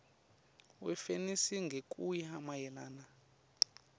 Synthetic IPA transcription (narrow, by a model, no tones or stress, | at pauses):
wɛfenisiŋɡʱekʼujihamajɛlaːna